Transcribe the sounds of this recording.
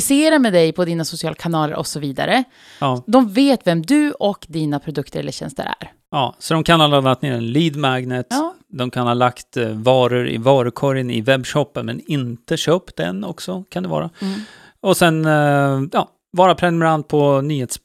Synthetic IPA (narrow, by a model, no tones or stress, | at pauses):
ɪseːɾamɛd̪ɛjpʰɔd̪iːnasʊsɪɑːlkʰanɑːlə̰ɾʔɔ̰sɔviːd̪a̰ɾə | ɑːd̪ɔmveːt̪vɛmd̪ɵɔkd̪iːnapʰɾʊd̪ɵkt̪əɾɛlːəɕɛ̰nst̪ə̰ɾæ̰ɾ | ɑːsɔd̪ɔmkʰanhaːlanːakt̪neːɾɛnliːd̪maɡnət̪ | d̪ɔmkʰanhɑːlakt̪vɑːɾəɾɪ̰vɑːɾəkʰɔɾjənɪ̰vɛbɕɔpːənmɛnɪnt̪əɕøːpd̪ɛ̰nɔksɔkʰand̪ɛvɑ̰ːɾa | ɔsɛnjɑː | vɑːɾapʰɾɛnɵmɛɾand̪̚pʰɔnyːheːt̪s